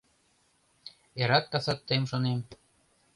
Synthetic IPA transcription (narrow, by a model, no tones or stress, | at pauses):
eɾɑk̪̚kɑsɑt̪ːemʃonem